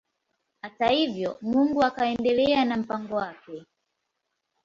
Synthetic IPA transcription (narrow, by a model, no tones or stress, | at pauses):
hatahivjɔmuŋɡuakaɛndɛlɛanam̩paŋɡɔwakɛ